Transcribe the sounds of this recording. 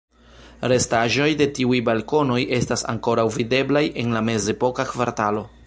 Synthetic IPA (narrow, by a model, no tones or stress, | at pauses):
ɾe̞staʒo̞jde̞tiujbalko̞no̞jʔe̞stasa̰ŋko̞ɾawvide̞blajʔe̞nlame̞ze̞po̞kakvaɾtalo̞